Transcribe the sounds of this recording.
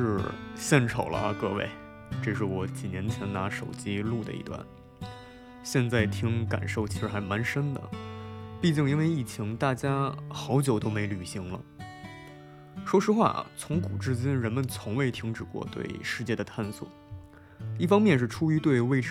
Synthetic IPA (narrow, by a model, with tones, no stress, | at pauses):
ɻ̩˥˧ɕjɛ˥˩nʈ͡ʂʰo˨˩ʊlə̰˦˧kɤ˥˧wḛ˥˧ɪ | ʈ͡ʂɤ˥˧ʂ̬ɻ̩˥˩wɔ˧˥t͡ɕi˨˩njɛ˧˥nt͡ɕʰjɛ˧˥nna˧˥ʂo˨˩ʊt͡ɕi˥lu˥˩d̪ə̰˩ḭ˧˩t̪wa̰˥˩n | ɕjɛ˥˧nt͡sa˥˩ɪt̪ʰi˧˥ŋka̰˨˩nʂo˥˩ʊt͡ɕʰi˧˥ʂɻ̩˧˥xa˧˥ɪma˧˥nʂə˥nd̪ə̰˨pi˥˧t͡ɕi˥˩˧ŋi˥nwe˥˧ɪi˥˩t͡ɕʰi˧˥ŋt̪a˥˩t͡ɕja˥xɑ˧˥ʊt͡ɕjo˨˩ʊt̪o˥ʊme˧˥ɪly˨˩ɕi˧˥ŋlə̰˧ | ʂwɔ˥ʂɻ̩˥xwa̰˥˩t͡sʰʊ˧˥ŋku˨˩ʈ͡ʂɻ̩˥t͡ɕjɛ˥nɻə˧˥nmə˨nt͡sʰʊ˧˥ŋwe˥˧ɪt̪ʰi˧˥ŋʈ͡ʂɻ̩˨˩kwɔ̰˥˧t̪wḛ˥˧ɪʂɻ̩˥˧t͡ɕjɛ˥˩d̪ə˩t̪ʰa˥˩nswɔ̰˨˩˦ | i˥˩fɑ˥ŋmjɛ˥˧nʂ̬ɻ̩˥˩ʈ͡ʂʰu˥y˧˥t̪we˥˧ɪwe˥˧ɪʈ͡ʂ